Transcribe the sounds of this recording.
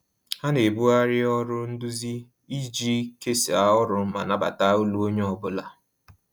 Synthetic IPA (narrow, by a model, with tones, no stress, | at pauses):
ha˦ne˨bu˦a˦ɾɪ˦ɔ˦ɾʊ˦n̩˦du˦zi˦ | i˦d͡ʒi˦ke˦si˨a˨ʊ˦ɾʊ˦ma̰˨na˦ba̰˨ta˦u˦lu˦o˦ɲe˦ɔ˦bʊ˦la˨